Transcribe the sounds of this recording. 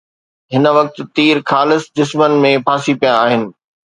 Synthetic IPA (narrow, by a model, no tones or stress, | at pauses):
ɦɪnə̆ʋɐk̚t̪t̪iːɾkʰaːlɪsd͡ʑɪsmənmẽpʰaːsipijãːɦɪnɪ̆